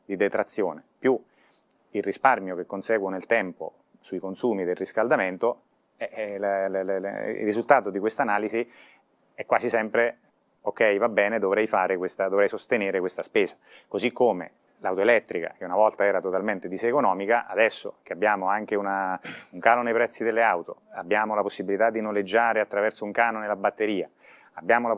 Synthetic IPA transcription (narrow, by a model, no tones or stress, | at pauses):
d̪id̪et̪ɾat̪sːjoːnepju | ilrːisparmjok̟ekːonsɛːɡwonelt̪ɛmpo̰ | suikonsuːmid̪elrːiskald̪ament̪o | ɛll̰ḭrːizult̪aːt̪od̪ikwest̪anaːlizi | ɛkːwaːzisɛmpɾe | okːɛjvabːɛːned̪ovɾɛjfaːɾekwest̪ad̪ovɾɛjsost̪eneːɾekwest̪aspeːzḁkozikʰːomḛ | lawt̪oelɛt̪ːɾika̰k̟eunavɔlt̪aɛːɾat̪ot̪alment̪ed̪isːkonɔːmikaʔa̰d̪ɛsːo̰k̟eabːjaːmoaŋk̟eunauŋkaːlonejpɾɛt̪sːid̪elːeawt̪o̰abːjaːmolaposːibilit̪ad̪ːinoled͡ʒːaːɾeat̪ːɾavɛrsouŋkaːnonelabat̪ːeɾiːa | abːjaːmola